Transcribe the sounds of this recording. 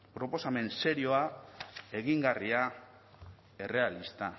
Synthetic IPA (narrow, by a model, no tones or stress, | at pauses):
pɾo̞po̞same̞nse̞ɾio̞ae̞ɣiŋɡaria | e̞re̞alist̪a